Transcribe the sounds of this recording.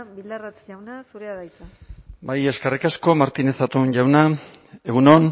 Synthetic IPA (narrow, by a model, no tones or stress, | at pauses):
bild̪arat͡sʎawnasuɾeaðajt͡s̪abaje̞skarikasko̞maɾt̪ine̞sat̪unʎawnae̞ɣunon